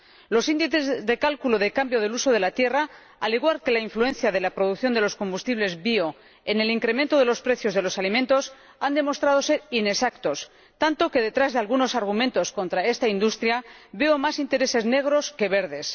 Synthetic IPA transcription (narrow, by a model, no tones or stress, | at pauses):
lo̞sind̪iθezðe̞kalkuloð̞ekambjo̞ð̞e̞luso̞ð̞e̞lat̪je̞ra | aliɣwaɾke̞laiɱflue̞nθjað̞e̞lapɾo̞ðukθjo̞nd̪e̞lo̞sko̞mbust̪iβle̞zβio̞ | ene̞liŋkɾemẽnt̪o̞ð̞e̞lo̞spɾe̞θjo̞zð̞e̞lo̞salimẽnt̪o̞s | and̪e̞mo̞st̪ɾað̞o̞se̞ɾine̞sakt̪o̞s | t̪ant̪o̞ke̞ðe̞t̪ɾazðe̞alɣuno̞saɾɣ̞umẽnt̪o̞sko̞nt̪ɾae̞st̪aind̪ust̪ɾjaβe̞omasint̪e̞ɾe̞se̞zne̞ɣ̞ɾo̞ske̞βe̞ɾð̞e̞s